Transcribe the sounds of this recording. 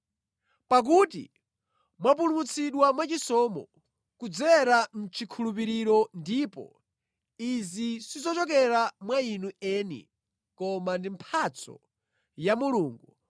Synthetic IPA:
pak̬utḭ | mwap̬ulumut͡sʰiɗwamwat͡ʃisɔːmɔ | kud͡zɛɾan̩t͡ʃʰikʰulupiɾiɾɔndiːpɔ̰ | izisizɔt͡ʃɔk̬ɛɾamwainuɛːnḭ | kɔmandimpʰat͡sʰɔ̰ | jamuluːŋɡu

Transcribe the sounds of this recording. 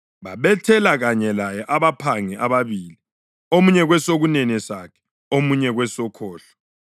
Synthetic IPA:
βaβɛtʰɛlaɣaɲɛlajɛʔaβapʰaŋɛʔaβaβiːli | omuɲɛɣwɛsoɣunɛnɛsakʰɛ̥ | omuɲɛɣwɛsɔkʰɔːɬḁ

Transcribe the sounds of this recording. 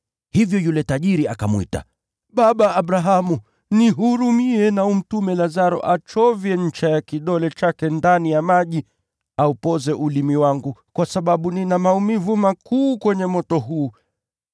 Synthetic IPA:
hivjɔjulɛtaʄiɾiakamwḭta̰ | ɓaɓaːɓɾaɦamu | niɦuɾumiɛnaum̩tumɛlazaɾɔ̰ʔat͡ʃɔvjɛɲ̩t͡ʃajakiɗɔlɛt͡ʃakɛndanijamaʄi | aupɔzɛʔulimiwaŋɡukwasaɓaɓuninamaumivumakuːkwɛɲɛmɔtɔɦuː

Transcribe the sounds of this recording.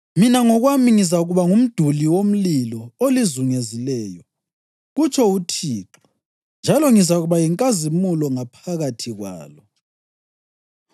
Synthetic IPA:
minaŋɔɣwamiŋizaɣuβaŋum̩d̥ʱuliwom̩lilɔolizuŋezilɛːjɔ | ɣut͡ʃʰʼɔutʰiːǁɔ̥ | nd͡ʒʱalɔŋizaɣuβajiŋkʼazimulɔŋapʰaɣatʰiɣwa̰ːlɔ

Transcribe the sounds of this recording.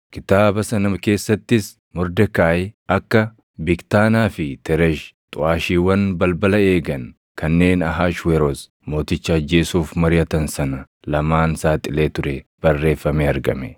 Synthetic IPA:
kɪt̪aːbɐsɐnɐmɐke̞ːsːɐt̪ːɪs | mʊɾd̪ɛkaːjɐkːɐ | bɪkt̪aːnaːfɪt̪ʰɛɾɛʃ | t̪ʼʊaːʃiːwɐnbɐlbɐlɐe̞ːɡɐn | kɐnːe̞ːnɐɦaːʃweɾos | mo̞ːt̪ɪt͡ʃːɐːd͡ʒːe̞ːsuːfmɐɾɪjɐt̪ɐnsɐnɐ | lɐmaːnsaːt̪ʼɪle̞ːt̪ʊɾɛb̥ɐrːe̞ːfːɐmeːɐɾɡɐ̰mɛ

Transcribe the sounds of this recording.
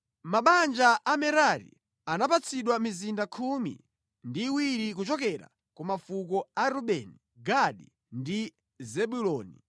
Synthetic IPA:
maɓand͡ʒaʔamɛɾaɾḭ | anapat͡sʰiɗwamizindakʰumḭ | ndiwiɾikut͡ʃɔkɛɾa̰ | kumafukɔaɾuɓɛni | ɡaɗḭ | ndi | zɛɓulɔːnḭ

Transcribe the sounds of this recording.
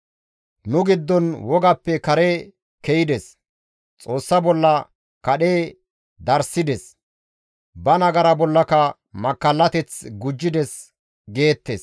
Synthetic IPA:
nʊɡɪd̪ːɔnwɔɡɐpːɛkɐɾe | kɛjɪd̪ɛs | t͡sʼo̞ːsːɐbɔlːɐ | kɐɗeː | d̪ɐɾsɪd̪ɛs | bɐnɐɡɐɾɐbɔlːɐkɐ | mɐkːɐlːɐt̪ɛt͡sɡʊd͡ʒːɪd̪ɛs | ɡe̞ːt̪ːes

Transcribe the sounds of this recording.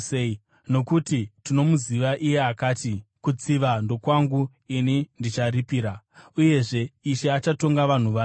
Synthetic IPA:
no̞kutitino̞muziʋaʔije̞akaːtikut͡siʋando̞kwaŋɡu | inindit͡ʃaɾipiːɾa | uje̞ʐe̞iʃeat͡ʃato̞ŋɡaʋan̤uʋaː

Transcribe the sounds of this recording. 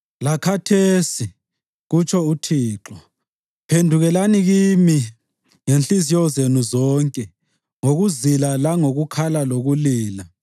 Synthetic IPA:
lakʰatʰeːsi | ɣut͡ʃʰʼɔutʰiːǁɔ | pʰendʱuɣɛlaniɣimi | ŋenɬizijɔzenuzɔːŋkʼɛ | ŋoɣuzilalaŋoɣukʰalaloɣuliːla

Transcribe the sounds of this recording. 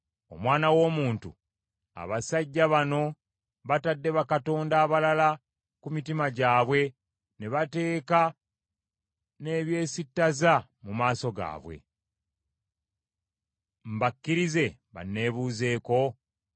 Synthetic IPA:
o̞̰mwaːnawo̞ːmuːntṵ | a̰βasaɟːaβano̞ | βatadːe̞βakato̞ːndaːβalala | kumitimaɟaːβwe̞ | ne̞βate̞ːka | ne̞βje̞ːsitːazamumaːso̞ɡa̰ːβwe̞̰ | m̩bakːiɾize̞βa̰nːe̞ːβuːze̞ːko̞

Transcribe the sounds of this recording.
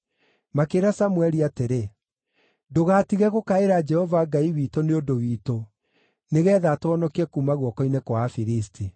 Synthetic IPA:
makeɾasamwɛɾiateɾe | doɣaːtiɣɛɣokaeɾad͡ʒɛhɔvaŋɡaiwiːtoneondowiːto | neɣɛðatoɔnɔkiɛkuːmaɣwɔkɔinekwafiɾistʰi

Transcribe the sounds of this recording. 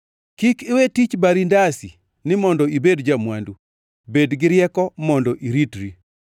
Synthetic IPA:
kikɪwetit͡ʃbaɾindasi | nɪmɔndɔibedd͡ʒamwandu | bedɡɪɾjɛkɔmɔndɔʔiɾitɾi

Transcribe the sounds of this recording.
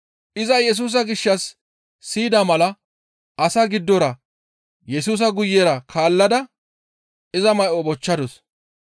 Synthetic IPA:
ʔɪzɐjɛs̬uːs̬ɐɡɪʃːɐsː | iːd̪amɐlɐ | ʔɐsaɡɪd̪ːɔɾɐ | jɛsuːs̬ɐɡʊjːeːɾɐkʰaːlːɐd̪ɐ | ɪzɐmɐjʔɔbɔt͡ʃːɐd̪ɔs

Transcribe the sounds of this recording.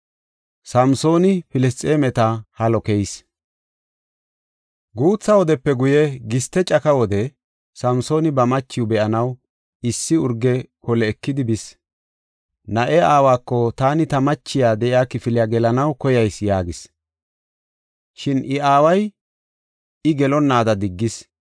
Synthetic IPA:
sɐmso̞ːnɪfɪlɛst̪ʼeːmɛt̪ɐhɐlɔkɛjs | ɡuːt͡sːɐwɔd̪ɛpːɛɡʊjɛɡɪst̪ːɛt͡ʃʼɐkɐwɔd̪ɛ | sɐmso̞ːnɪbɐmɐt͡ʃːɪjʊbɛʔɐnɐw | ɪsːɪʊɾɡɛkɔlɛːkːɪd̪ɪbɪs | nɐʔɛaːwaːkːɔt̪aːnɪt̪ɐmɐt͡ʃːɪjaːd̪ɛʔjaːkɪfɪlɪjaɡɛlɐnɐwkɔjɐjsjaːɡɪs | ʃɪnʔɪaːwɐj | ɪɡɛlɔnːaːd̪ɐd̪ɪɡːɪs

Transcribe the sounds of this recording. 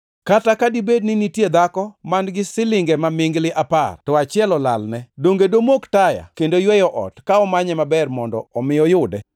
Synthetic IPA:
katakadibednɪnitjed̪akɔmanɡɪsɪlɪŋɡɛmamɪŋɡlɪʔapa̰rtɔat͡ʃɪɛlɔla̰lnɛdoŋɡedomoktaja̰kendojwɛjɔʔɔ̰tkaɔmaɲɛmabɛrmɔndɔ̰ɔmɪjɔjʊdɛ

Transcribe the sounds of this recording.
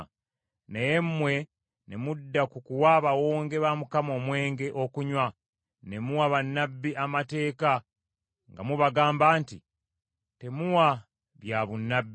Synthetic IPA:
nejemːwe̞ | ne̞mudːakukuwaβawoːŋɡe̞βamukamo̞ːmwe̞ːŋɡe̞ʔo̞kuɲwa | ne̞muwaβanːabːiʔamate̞ːka | ŋɡa̰muβaɡaːmbaːnti | te̞muwa | βjaβunːabːi

